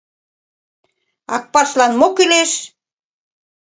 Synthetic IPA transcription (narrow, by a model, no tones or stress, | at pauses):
ɑ̰k̚pɑrʃlɑnmokileʃ